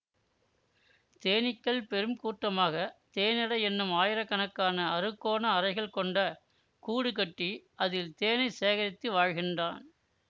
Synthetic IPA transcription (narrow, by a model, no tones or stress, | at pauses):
t̪eːnɪkːɐɭpɛɾɯmkuːʈrɐmaːɣɐt̪eːnɪɽɐɛnːɯmaːjɪɾɐkːɐnɐkːaːnɐɐrɯkːoːnɐːɾɐɪɣɐɭkɔɳɖɐ | kuːɽɯkɐʈːiʔɐðɪlt̪eːnɐɪseːɣɐɾɪt̪ːɯʋaːɻɣɪndraːn